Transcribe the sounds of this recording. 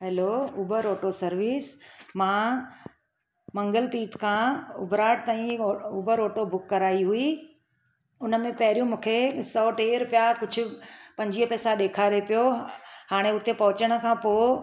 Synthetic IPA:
ɦɛloːʊbʱəɾoːʈosɐɾʋiːsmãː | mɐ̃ŋɡəlt̪iːt̪kʰãːʊ̰bɾaːʈ̚t̪aːĩʊːbʱəɾoːʈobʊkːɐɾaːiɦʊi | ʊnəmẽpɐɦɪɾijũmũːkʰesɔːʈeːɾpijakʊd͡ʑʱʊ̆pɐ̃ɲd͡ʑiːəpɛːsaɗeːkʰaːɾepijohaːɽ̃eʊt̪epɐɦʊt͡ɕəɽ̃ə̆kʰãːpoː

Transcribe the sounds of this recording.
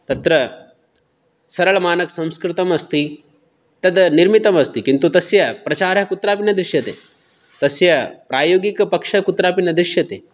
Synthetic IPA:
t̪ɐt̪ɾɐ | sɐɾɐɭmaːnɐksɐ̃m̃skɾɪt̪ɐmɐst̪i | t̪ɐd̪niɾmit̪ɐmɐst̪ikint̪ut̪ɐsjɐpɾɐt͡ʃaːɾɐkut̪ɾaːpinɐd̪ɾɪʃjɐt̪ḛ | t̪ɐsjɐpɾaːjoːɡikpɐkʂɐkut̪ɾaːpinɐd̪ɾiʃjɐt̪eː

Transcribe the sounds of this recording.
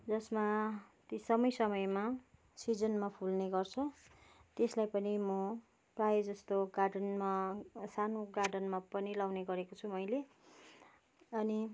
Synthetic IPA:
d͡zʌsmat̪isʌmʌjsʌmʌjma | sid͡zʌnmapʰulneɡʌrt͡sʰʌt̪eslajpʌnimʌ | prajed͡zʌst̪oɡaɖʌnmasanoɡaɖʌnmapʌnilawneɡʌɾekot͡sʰumʌjle | ʌni

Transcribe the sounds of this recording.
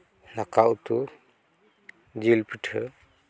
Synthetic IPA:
nakaʔwt̪u | d͡ʒilpiʈʰə

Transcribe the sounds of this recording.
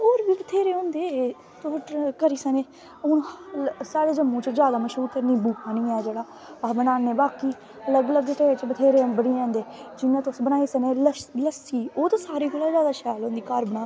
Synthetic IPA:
oːɾbiːbət̪ʰeːɾeːõːnd̪eː | t̪oʈkəɾiːsəneː | ʊnsaːɽeːd͡ʒəmːõːt͡ʃzjaːd̪aːməʃɾuːɾkəɾniːbuːkʰaːnĩːɛːd͡ʒeːɽaː | bənaːneːbaːkiː | ələɡələɡʈeːt͡ʃbət̪ʰeːɾeːbəɽiːɛ̃ːnd̪eːd͡ʒɪnːãːt̪ʊsbənaːiːsəneːlələsiːoːt̪oːsaːɾiːkelaːzjaːd̪aːʃɛːlɦõːnd̪iːkəɾbənaː

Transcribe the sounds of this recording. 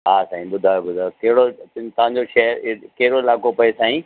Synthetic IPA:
ɦaːsaːĩɓʊd̪ʱaːjobʊd̪ʱaːjokɐɦɪɽoɪnt̪ɐʋ̤ãɲ̆d͡ʑoʃɐɦəɾɪkɐɦɪɽoɪlaːkopɐesaːĩː

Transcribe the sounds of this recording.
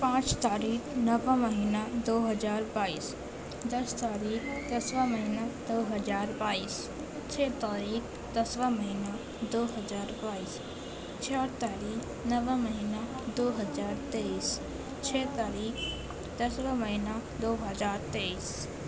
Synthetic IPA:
pãːt͡ʃt̪aːɾiːxnɐʋə̃mɐɦiːnad̪oːɦɐzaːɾbaːiːs | d̪ɐst̪aːɾiːkd̪ɐsʋãmɐɦinad̪oːɦɐzaːɾbaːiːs | t͡ʃʰeːt̪aːɾiːx | d̪ɐsʋãmɐɦina | d̪oːɦɐzaːɾbaːiːs | t͡ʃʰaːɽt̪aːɾiːk | nɐʋəmɐɦiːna | d̪oːɦɐzaːɾt̪eːiːs | t͡ʃʰeːt̪aːɾiːx | d̪̥ɐsʋãmɐɦinad̪oːɦɐzaːɾt̪eːiːs

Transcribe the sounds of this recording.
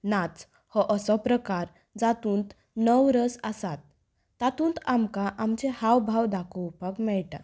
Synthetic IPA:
nat͡s | hɔʔəsɔpɾəkaɾ | d͡zat̪uːnt̪ | nəwɾəsasat̪̚ː | at̪ũːnt̪amkaʔamt͡ɕehawbʱawd̪akʰɔwpakmɛɭʈa̰

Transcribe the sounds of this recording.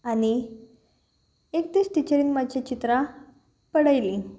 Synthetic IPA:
añi | ekt̪iːsʈ̪it͡ɕəɾiːnmat͡ɕat͡ɕit̪ɾa | pəɽajli

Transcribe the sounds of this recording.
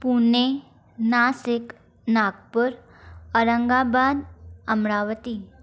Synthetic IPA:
pune | nasɪk | nak̚pəɾ | əɾəŋɡabaːd̪əmɾaʋət̪i

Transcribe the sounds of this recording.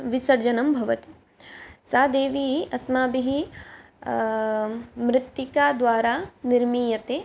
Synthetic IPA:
ʋisɐɾd͡ʒɐnɐmbʱɐʋɐt̪i̥ | saːd̪eːʋiiʔɐsmaːbiɦi | mɾɪt̪jikaːd̪ʋaːɾaːniɾmiːjɐt̪eː

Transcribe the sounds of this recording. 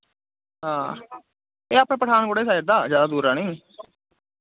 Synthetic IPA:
ɦãː | eːaːpɽ̃ẽːpəʈʰaːnboɽeːsaːɪɾd̪aːzjaːd̪aːd̪uːɾaːniː

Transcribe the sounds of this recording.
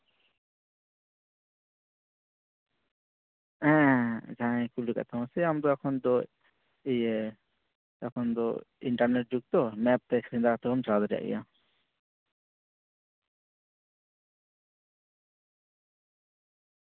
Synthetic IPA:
ɛ̃d͡ʒãkuluka̰t̪ʰaw̃asɛamd̪ɔɛkʰɔnd̪ɔ | ɛje | ɛkʰɔnd̪ɔiɳʈaɾneʈ̚d͡ʒuɡ̚t̪ɔmɛp̚t̪ɛkʰɾind̪akat̪ʰɔɦɔmt͡ʃɾad̪ɔɾija̰ʔḭja

